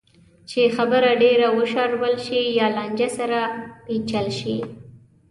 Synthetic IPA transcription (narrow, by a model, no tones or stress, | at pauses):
t͡ʃexabəɾaɖeɾawəʃɑɾwəlʃijɑlɑnd͡ʒasaɾapit͡ʃalʃi